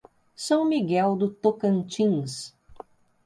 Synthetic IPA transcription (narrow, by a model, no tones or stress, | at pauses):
sɐ̃w̃miɡɛwd̪ʊt̪okɐ̃nt͡ʃĩs